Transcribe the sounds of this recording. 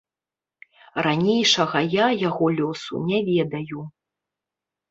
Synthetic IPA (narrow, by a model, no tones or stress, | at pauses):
ranʲejʂɐɣɐjajaɣɔlʲɔsṵnʲɛvʲɛd̪ɐju